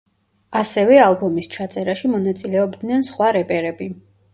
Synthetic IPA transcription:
asɛvɛalˠbɔmist͡ʃʰat̪sʼɛɾaʃimɔnat̪sʼilɛɔbd̪nɛnsχwaɾɛpʼɛɾɛbi

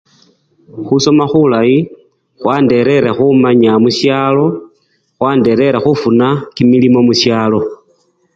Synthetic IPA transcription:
xuso̞maxulaji | xwaːnde̞ɾe̞ɾexumaɲamuʃjaːlo̞ | xwaːnde̞ɾe̞ɾexufunakimilimo̞muʃjaːlo̞

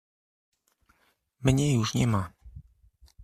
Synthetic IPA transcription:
mɲɛjuʂɲɛma

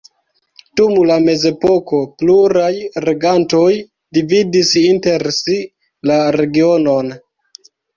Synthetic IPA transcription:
d̥umlame̞ze̞po̞ko̞pluɾajɾe̞ɡanto̞j | dividisinte̞ɾsi | laɾe̞ɡio̞no̞n

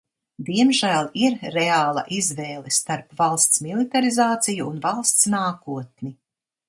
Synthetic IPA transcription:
d̪iɛmʒæːlˠiɾːeaːlˠa̰ʔizvɛːlˠɛst̪aɾpvalˠst̪smilˠit̪aɾizaːt̪sijuːnvalˠst̪snaːkuɔt̪̚ni

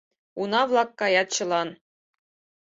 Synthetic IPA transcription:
unɑvlˠɑkːɑjɑt̪t͡ɕɤ̆lˠɑn

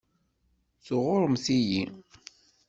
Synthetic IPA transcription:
θʊʁʊɾˤəmθiji

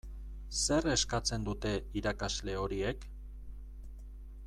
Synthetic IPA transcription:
se̞re̞skat͡se̞nd̪ut̪e̞iɾakazle̞o̞ɾie̞k

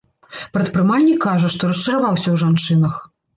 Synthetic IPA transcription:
pɾɐt̪̚pɾɨmalʲnʲikʰːaʐɐʂt̪ɔɾɐst͡ʂɐɾavawsʲɐwʐant͡ʂɨnɐx

